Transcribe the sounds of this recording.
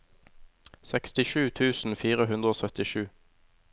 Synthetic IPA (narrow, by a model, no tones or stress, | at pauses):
sɛkst̪ɪʃʉːt̪ʰʉːsn̩fiːʁəhʉnd̪ʁəoːsœt̪ɪʃʉː